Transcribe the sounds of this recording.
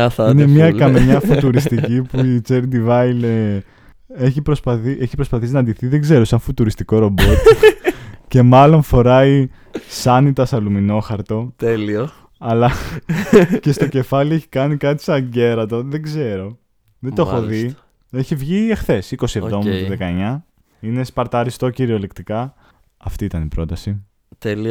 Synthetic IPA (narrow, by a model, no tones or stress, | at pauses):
inemiɐkɐmeɲɐfut̪uɾist̪icipuit͡seɾd̪ivɐjle | eçipɾo̞spɐθiʔeçipɾo̞spɐθisinɐnd̪iθiðe̞ɡze̞ɾo̞sɐɱfut̪uɾist̪iko̞ɾo̞bot̪ | ce̞mɐlo̞nfo̞ɾɐi | sɐnit̪ɐsɐlumino̞xɐɾt̪o̞t̪elio | ɐlɐ | ce̞st̪o̞ce̞fɐlieçi̥kɐnikɐt̪i̥sɐɲɟe̞ɾɐt̪o̞ðeɡze̞ɾo̞ | ðeoxoði | eçivʝiexθe̞siko̞sievðo̞mst̪oðekɐeɲɐ | ine̞spɐɾt̪ɐɾist̪o̞ciɾio̞lekt̪ikɐ | ɐft̪iit̪ɐnipɾo̞t̪ɐsi | t̪eli